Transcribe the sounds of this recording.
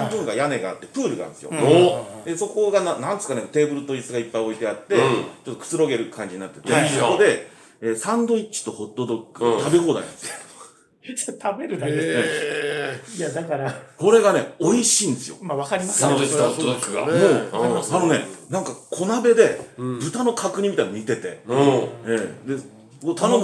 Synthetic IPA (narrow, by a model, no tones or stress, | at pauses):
abɯ̟̃ŋɡajane̞ɡaa̰t̪ːe̞pɯ̟ːɾɯ̟ɡã̰nesɨjo̰od̪eso̞ko̞ɡananãnd̪sɨ̥kanet̪e̞ːbɯ̟ɾɯ̟t̪o̞isɨɡaipːaio̞it̪e̞at̪ːe̞t͡ɕot̪ːokɯ̟̥t͡sɨɾo̞ɡe̞ɾɯ̟kʰãɲ̟d͡ʑiɲinat̪ːe̞̥t̪ːeoko̞d̪e̞ | eːsãnd̪o̞it͡ɕi̥t̪o̞ho̞t̪ːo̞d̪o̞kːɯ̟t̪abe̞ɦo̞ːd̪a̰ḭ̃nd̪es | t̪ʰabeɾɯ̟d̪ae | jad̪akaɾako̞ɾe̞ɡane̞oiɕĩːnd̪e̞sɨjo̞̰maβakaɾʲimasoot̪ːod̪okːɯɡa̰moːano̞ne̞̰nãŋkakʰo̞nabe̞d̪e̞bɯ̟t̪ano̞kʰakɯ̟ɲ̟imit̪anomʲit̪e̞t̪e̞ | eːd̪e̞ | kot̪anõ